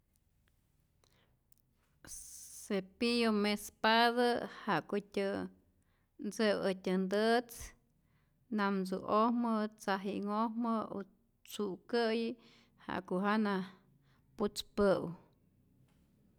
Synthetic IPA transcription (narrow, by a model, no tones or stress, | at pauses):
sepijomespaðəha̰ʔkotʲə | nd͡zəwətʲənd̪ət͡s | namzṵʔohmət͡saɦiʔŋohməo | t͡suʔkəji | ha̰ʔkoʔɦana | put͡spəw